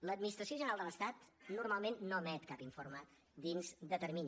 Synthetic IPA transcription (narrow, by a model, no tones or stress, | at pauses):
ləd̪̚minist̪ɾəsioʒənɾalˠd̪ələst̪at̪nurmalˠmenːomɛt̪kapiɱfoɾmə | d̪inzd̪ət̪əɾmiɲ